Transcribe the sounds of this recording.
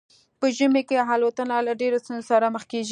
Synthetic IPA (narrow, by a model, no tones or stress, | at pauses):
pəʒəmekeɦalot̪ənalaɖeɾost̪unzosaɾaməxkeʒi